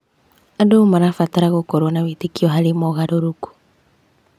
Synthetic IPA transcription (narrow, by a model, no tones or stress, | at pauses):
adomaɾafataɾaɣokɔɾonawetekiɔɦaɾemɔɣaɾoɾoku̥